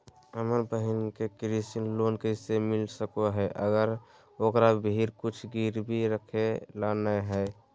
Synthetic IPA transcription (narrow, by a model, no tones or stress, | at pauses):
əməɾbəɦɪnkekɾisinlonkəɪsemɪlsəkoɦɛeʔəɡəɾ | okɾabʱiɾkut͡ʃʰɡiɾbʱiɾəkʰelanəɦəɪ